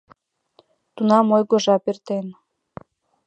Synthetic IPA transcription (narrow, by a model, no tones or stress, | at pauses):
t̪unɑmojɣoʒɑpert̪en